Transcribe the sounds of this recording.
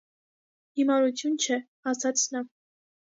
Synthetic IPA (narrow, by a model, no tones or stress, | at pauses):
himɑɾut͡sʰjunt͡ʃʰɛ | ɑsɑt͡sʰnɑ